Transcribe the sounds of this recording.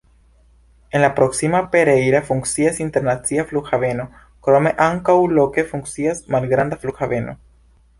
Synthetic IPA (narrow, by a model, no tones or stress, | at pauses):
enlapɾoksimapeɾejɾafuŋksiasint̪eɾnasiafluxaβeno | kɾomeʔaŋkawlokefuŋksiasmalɡɾand̪aflukxaβeno̰